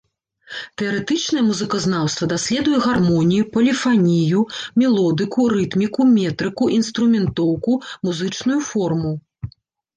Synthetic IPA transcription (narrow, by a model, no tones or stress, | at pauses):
t̪ɛɐɾɛt̪ɨt͡ʂnɐjɛmuzɨkɐznawst̪vɐd̪asʲlʲɛd̪ujɛɣarmɔnʲijupɐlʲifanʲijumʲɛlˠɔd̪ɨkuɾɨt̪mʲikumʲɛt̪ɾɨkuʔinst̪ɾumʲɛnt̪ɔwkumuzɨt͡ʂnujufɔrmu